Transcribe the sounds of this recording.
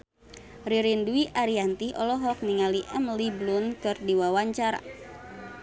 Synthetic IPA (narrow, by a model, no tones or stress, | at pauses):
riɾinduiʔaɾiant̪iɔlɔɦɔk̚niŋaliʔɛmliblunkɨrdiwawaɲt͡ʃaɾa̰